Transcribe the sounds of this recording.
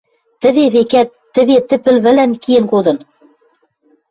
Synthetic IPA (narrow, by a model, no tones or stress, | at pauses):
t̪ɘ̆βeβekæt̪ːɘ̆βet̪ɘ̆pɘ̆lβɘ̆lænkijɘ̆nkod̪ɤ̆n